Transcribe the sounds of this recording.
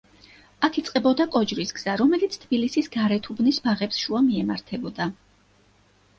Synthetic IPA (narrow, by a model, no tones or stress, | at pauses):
akʰit̪sʼqʼɛbɔd̪akʼɔd͡ʒɾisɡz̥aɾɔmɛlit̪sʰt̪ʰb̥ilisisɡaɾɛt̪ʰubnisbaʁɛpsʃuamiɛmaɾt̪ʰɛbɔd̪a